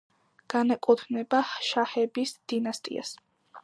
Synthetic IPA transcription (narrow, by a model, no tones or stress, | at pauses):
ɡ̥anɛkʼut̪ʰnɛbaʃahɛbisd̪̥inast̪ʼḭa̰s